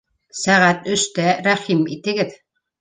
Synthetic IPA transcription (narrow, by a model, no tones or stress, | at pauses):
sæʁæt̪ɵ̆ʃt̪æɾæχimit̪ɘ̆ɡɘð